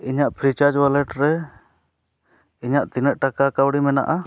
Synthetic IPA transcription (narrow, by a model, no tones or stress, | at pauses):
iɲaʔpʰɾit͡ʃaɾd͡ʒwalɛʈɾɛ | iɲaʔt̪inəʔʈakakawɽimɛna̰ʔa